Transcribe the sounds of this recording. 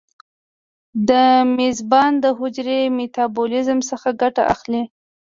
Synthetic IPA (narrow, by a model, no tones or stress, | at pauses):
d̪əmezbɑnd̪əɦʊd͡ʒɾemet̪ɑbulɪzmsəxaɡaʈa̰ʔa̰xli